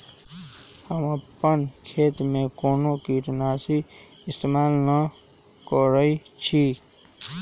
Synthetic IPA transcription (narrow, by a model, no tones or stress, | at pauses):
həməpːənkʰeːt̪mẽkoːnokiʈnaːsi | ɪst̪emaːlnə | kɔɾəi | t͡ʃʰi